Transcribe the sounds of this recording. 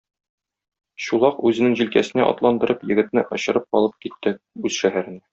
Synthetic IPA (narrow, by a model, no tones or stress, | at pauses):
ɕulˠɑqʉzɘ̆nɘŋʑilkæsɘ̆næʔɒ̰t̪lˠɑnd̪ɤ̆ɾʔɤpjɘ̆ɡɘ̆t̪nɘʔɒ̆ɕɤ̆ɾɤp̚qɒlˠɤp̚kit̪ːɘ | ʉz̥ʃæɦæɾɘ̆næ